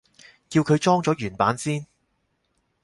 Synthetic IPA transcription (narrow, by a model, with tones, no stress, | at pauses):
kiː˧wkʰɵ˨˧jt͡ʃɔː˥ŋt͡sɔː˨˥jyː˨˩npaː˨˥nsiː˥n